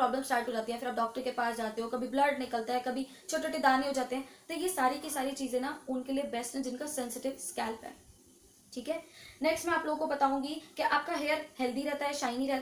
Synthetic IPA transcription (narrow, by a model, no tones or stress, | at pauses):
ɾɔːbləmsʈaːɾʈɦod͡ʒaːt̪iɦɛ̃fʰɪɾaːp̚ɖɔːk̚ʈəɾkepaːsd͡ʒaːt̪eɦokɐbʱibləɾɖnɪkəlt̪aɦɛkɐbʱi | t͡ʃʰoːʈeʈed̪aːneɦoːd͡ʒaːt̪eɦɛ̃ːt̪ojesaːɾikisaːɾit͡ʃiːzẽnaʊnkeliebɛsʈɛ̃d͡ʒɪnkasɛnsɪʈɪʋskɛːlpɦɛ̰ː | ʈʰiːkɦɛːnɛːksʈmɛ̃aːploːɡ̚kobɐt̪aːũːŋɡikeʔaːp̚kaɦeːəɾhɛld̪iɾɛɦt̪aɦɛːʃaːɪniɾɛt̪